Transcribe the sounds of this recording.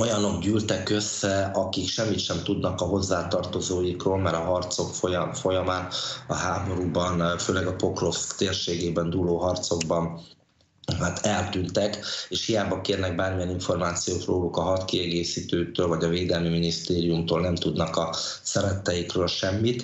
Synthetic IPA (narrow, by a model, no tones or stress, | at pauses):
o̞jɒno̞ɡɟyːlt̪ɛkø̞sːɛɒkikʃɛmːit̪ʃɛmt̪ud̪nɒkɒɦo̞zːaːt̪ɒrt̪o̞zoːjikroːlmɛɾɒɦɒrt̪so̞kfojfo̞jɒmaːnɒ̰ɦaːbo̞ɾubɒnføːlɛɡɒpo̞kro̞fskt̪eːrʃeːɡeːbɛnd̪uːloːɦɒrt̪so̞ɡbɒn | ɦat̪ʰɛlt̪ynt̪ɛkeːʃhijaːbɒkeːrnɛɡ̚baːrmijɛniɱfo̞rmaːt̪sijoːt̪roːlukɒɦɒt̪kiɛɡeːsiːt̪øːt̪øːlvɒɟɒveːd̪ɛlmiminist̪eːɾijumt̪oːlnɛmt̪ud̪nɒkɒ | sɛɾɛt̪ːɛjikrøːlʃɛmːit̪